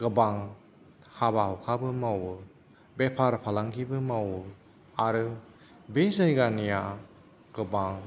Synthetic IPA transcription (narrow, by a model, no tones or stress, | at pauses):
ɡɯbaŋ | habahɔkʰabɯmawɯ | bepʰaɾpʰalaŋkʰibɯmawɯ | aɾɯ | bezajɡanija | ɡ̥ɯbaŋ